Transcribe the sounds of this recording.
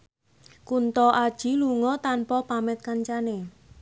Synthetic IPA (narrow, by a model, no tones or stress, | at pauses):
kunt̪ɔʔad̥ʒ̥iluŋɔt̪anpɔpamɛt̪̚kaɲt͡ʃane